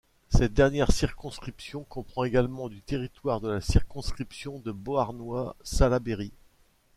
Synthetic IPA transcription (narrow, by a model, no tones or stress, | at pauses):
sɛt̪̚d̪ɛʁnjɛʁsiʁkɔ̃skχipsjɔ̃kɔ̃pχɑ̃eɡalmɑ̃d̪yt̪eʁit̪waʁd̪əlasiʁkɔ̃skχipsjɔ̃d̪əboaʁnwasalabeʁi